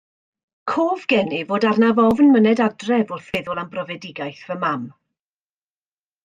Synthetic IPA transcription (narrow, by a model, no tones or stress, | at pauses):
kʰoːvɡɛnɪvoːdarnavɔvnmənɛdadrɛvʊrθvɪðʊlˠambrɔvɛdɪɡajθv̥əmam